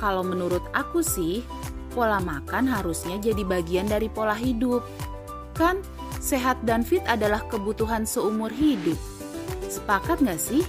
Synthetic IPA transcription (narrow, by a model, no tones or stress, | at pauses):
kalawmənuɾʊt̪̚akusɪh | polahmakanɦaɾusɲad͡ʒadibaɡiandaɾipolaɦidʊp̚ | kan | seɦat̪̚danfɪt̪adalahkəbut̪uɦansəumʊrɦidʊp̚ | sə̥pakat̪̚ŋɡaʔsɪh